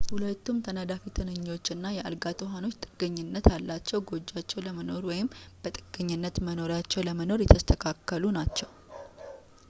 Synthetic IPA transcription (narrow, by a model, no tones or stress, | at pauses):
hulət̪ːumt̪ʰənəd̪afit̪ʰɨnɨɲːo̞t͡ʃːɨnːajɛʔa̰lɡat̪ʰʼuɦano̞t͡ʃːt̪ʼɨɡ̥əɲːɪnːət̪jalːat͡ʃːɛwɡo̞d͡ʒːat͡ʃːɛwləməno̞ɾwɔjɪmb̥ət̪ʼɨɡ̥əɲːɨnːət̪məno̞ɾjat͡ʃːɛwləməno̞ɾjɛt̪ʰəst̪ʰəkʰakːəlunat͡ʃːɛw